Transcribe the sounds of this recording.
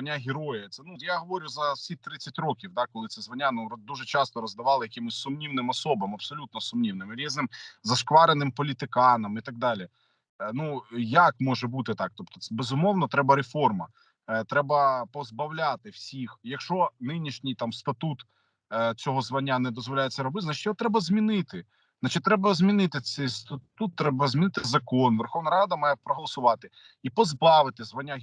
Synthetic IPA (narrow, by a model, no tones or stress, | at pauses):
ɐnʲːaɦʲɪɾɔjɐt̪sɛnujaɦɔʋɔɾʲʊzɐsʲit̪ɾɪt͡sʲːɐtʲɾɔkʲiwd̪ɑkɔlˠɪt̪sɛzʋɐnʲanud̪uʒɛt͡ʃɑst̪ɔɾɔzd̪ɐʋɑlˠɪjɐkɪmʊsʲsʊmnʲiwnɪmɐsɔbɐmɐbsɔlʲut̪nɔsʊmnʲiwnɪmɾʲiznɪmzɐʃkʋɑɾenɪmpɔlʲit̪ɪkɑnɐmit̪ɐɡ̚d̪ɑlʲi | nujakmɔʒɛbut̪ɪt̪ɑk̚t̪ɔpt̪ɔ̥ɛbezʊmɔwnɔt̪ɾɛbɐɾefɔrmɐ | t̪ɾɛbɐpɔzbɐwlʲat̪ɪwsʲixjɐkʃt͡ʃɔnɪnʲiʃnʲijt̪ɑmst̪ɐt̪ut̪ | t͡sʲɔɦɔzʋɐnʲːanɛd̪ɔzʋɔlʲajet͡sʲːɐɾɔbɪt̪znat͡ʃɪ̥tʲjɔt̪ɾɛbɐzʲmʲinɪt̪ɪ | znat͡ʃɪt̪ʲt̪ɾɛbɐzʲmʲinɪt̪ɪsɛjst̪ɐt̪ut̪ːɾɛbɐzʲmʲinɪt̪ɪzɐkɔnʋɛrxɔʋnɐɾɑd̪ɐmɑjɛpɾɔɦɔlˠɔsʊʋɑt̪ɪ | ipɔzbɑʋɪt̪ɪzʋɐnʲːa